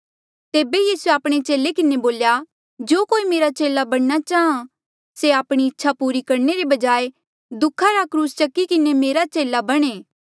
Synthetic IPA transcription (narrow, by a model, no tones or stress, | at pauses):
t̪eːbejiːsueaːpɽ̃et͡ʃeːlekɪneboːlja | d͡ʒoːkoːimeːɾat͡ʃeːlabɐɽ̃nat͡ʃaːɦã | seaːpɽ̃iɪtːʃʰapuːɾikɐɾneɾibɐd͡ʒaːe | d̪ʊkʰːaɾakɾuːst͡ʃɐkːikɪnemeːɾat͡ʃeːlabɐɽ̃eː